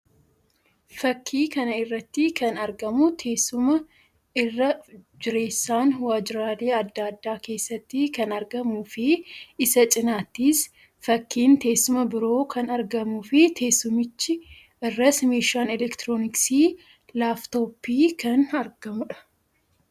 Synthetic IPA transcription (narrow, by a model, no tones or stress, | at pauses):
fɐkʰːiːkɐnɐɪrːɐt̪ːikɐnɐɾɡɐmʊt̪ʰe̞ːsːʊmɐ | ɪrːɐd͡ʒɪɾe̞ːsːaːnwaːd͡ʒɪɾaːle̞ːɐd̪ːaːd̪ːaːke̞ːsːɐt̪ːɪkɐnɐɾɡɐmuːfɪɪsɐt͡ʃʼɪnaːt̪ːiːs | fɐkʰːiːnt̪e̞ːsːʊmɐbɪɾo̞ːkʰɐnɐɾɡɐmʊfɪt̪ʰe̞ːsːʊmɪt͡ʃːɪ | ɪrːɐsmeːʃaːnɛlɛkt̪ɪɾoːnɪksiː | laːft̪o̞ːpːiːkɐnɐɾɡɐmʊᶑɐ̥